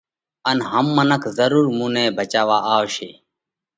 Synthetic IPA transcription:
ənɦəmːənəkzəɾuːɾmũːnẽːbʱət͡ʃaːʋaːʔaːoʃḛː

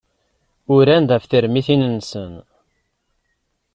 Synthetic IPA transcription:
ʊɾænd̪æfθəɾmiθinənsən

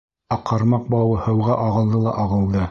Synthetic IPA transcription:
ɑqʰːɑɾmɑq̚bɑwɤhɤ̆wʁɑʔɑʁɤ̆lˠd̪ɤlˠɑʔɑʁɤ̆lˠd̪ɤ

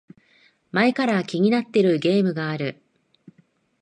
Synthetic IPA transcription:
mae̞kaɾakʲiɲ̟inat̪ːe̞ɾɯ̟ɡe̞ːmɯ̟ɡaːɾɯ̟

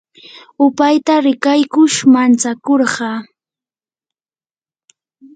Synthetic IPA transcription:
ʊpajt̪aɾɪkajkʊʃmant͡sakoɾɢɑ

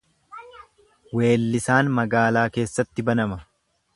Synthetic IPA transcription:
we̞ːlːɪsaːnmɐɡaːlaːke̞ːsːɐt̪ːɪbɐnɐmɐ

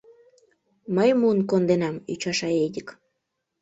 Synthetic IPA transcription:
məjmuənkond̪enɑmyt͡ɕɑʃɑedʲək

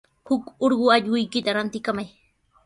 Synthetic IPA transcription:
hʊkoɾɢʊaʎɢʊjkɪt̪aɾant̪ɪkamaj

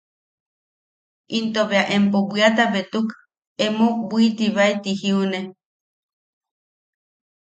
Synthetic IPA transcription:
ʔint̪oβeaʔempobɨat̪aβet̪uk | emobʷiit̪iβait̪ihiune

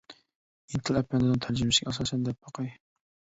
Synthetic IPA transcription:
int̪ʰɨlɛpːɛnɪd̪ɨnt̪ʰæɾd͡ʒɪmɪʃɪɡʲɛɑsɑːsɛnd̪ɛp̚bɑqɑj

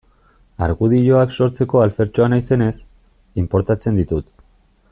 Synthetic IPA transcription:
aɾɣuð̞iʎo̞akso̞ɾt͡se̞ko̞alfe̞ɾt͡ʃo̞anajse̞ne̞s | impo̞ɾt̪at͡se̞nd̪it̪ut̪

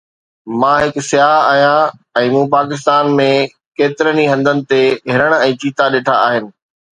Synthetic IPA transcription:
mãːɦɪksɪjaːɦaːɦijãɛ̃ːmũːpaːkɪs̬t̪aːnmẽ | keːt̪ɪɾəniɦɐ̃nd̪ənɪ̆t̪eɦɪɾəɽ̃ɛ̃ːt͡ɕiːt̪aɗeːʈʰaaːɦɪnɪ̆

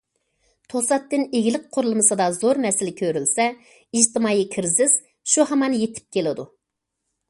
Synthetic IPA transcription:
t̪ʰosɑt̪ːɨneɡʲɪlɪk̚ʲqʰʊɾlˠɨmɨsɨd̪ɑzoɾmɛsɪlɪkʲʰøɾylsɛ | iʒt̪ʰɪmɑːjikʲʰɪɾzɪz̥ | ʃuhɑmɑnjet̪ʰɪ̥p̚kʲʰelɪd̪u

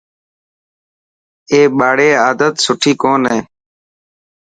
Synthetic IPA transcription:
eːɓaːɽeːaːd̪ət̪sʊʈʰiːkoːnẽː

